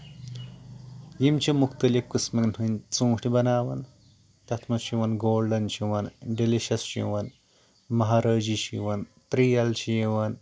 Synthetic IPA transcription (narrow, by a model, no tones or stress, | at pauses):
jimt͡ʃʰimukt̪ɐlikkɨsmɐknɦunt͡sũːʈibɐnaːʋɐn | t̪ɐt̪ʰmɐʃiʋɐnɡoːlɖɐnt͡ʃʰiʋɐnɖiliʃɐsʃḭʋɐn | mɐɦaːɾɐːd͡ʒiʃiʋɐnt̪ɾiːjɐlt͡ʃʰiʋɐn